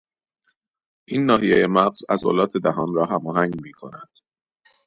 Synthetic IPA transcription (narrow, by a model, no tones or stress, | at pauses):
ʔiːnːɒːɦijejemæɣz̥æzo̰lɒːt̪ʰed̪æɦɒːnrɒːɦæmɒːɦæŋɡmiːkʰo̞̰næd̪̥